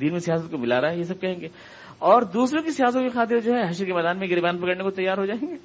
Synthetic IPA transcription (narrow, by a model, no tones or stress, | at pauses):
d̪iːnmẽsijaːsət̪̚komɪlaːɾaaɦɛjes̬ɐb̚kɛɦẽːŋɡeː | ɔːɾd̪uːsɾõkisijaːsət̪kexaːt̪̬ɪɾd͡ʒoːɦɛɦɐʃɾkemɛːd̪aːnmẽɡɪɾbaːnpɐkəɽnekot̪ɐjːaːɾɦod͡ʒaːẽːŋɡeː